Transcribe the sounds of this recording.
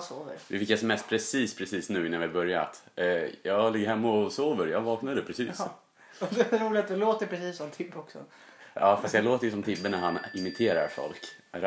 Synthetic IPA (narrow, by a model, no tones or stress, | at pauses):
soːvə̰ɾvɪfɪkːasmɛst̪pʰɾɛsiːspʰɾɛsiːsnʉ̟ːɪnːanvɪabœɾja̰t̪ | jɑːlɪɡːəɾhɛmːaɔsoːvəɾjɑːɡvɑːknad̪d̪ɛpʰɾɛsiːss | ɔd̪ɛɾuːlɪt̪d̪ɛloːt̪əɾpʰɾɛsiːsːɔmt̪ʰɪbːɔksɔ̰ | ɑːfast̪jaloːt̪əɾjəsɔmt̪ʰɪbːənæɾhanɪmɪt̪ʰeːɾa̰ɾfɔ̰lk